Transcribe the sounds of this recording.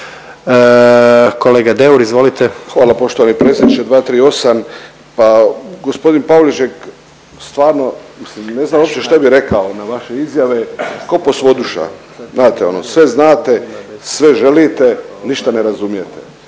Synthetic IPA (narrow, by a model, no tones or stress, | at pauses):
ə | koleːɡad̪euɾizʋo̞lit̪exʋaːlˠapo̞ʃt̪oanipɾe̞t̪sʲjʲed̪nit͡ʃed̪ʋaːt̪ɾiːo̞sam | paɡospo̞d̪inpaolit͡ʃek | st̪ʋaːɾno̞mislimne̞znamoopt͡ʃ̪eʃt̪abiɾe̞kaonaʋaʃe̞izjaʋe̞ko̞posʋo̞d̪uʃa̰ | znaːt̪eo̞nosʋe̞znaːt̪e̞sʋe̞ʒe̞lit̪e̞niʃt̪ane̞ɾazumijet̪ḛ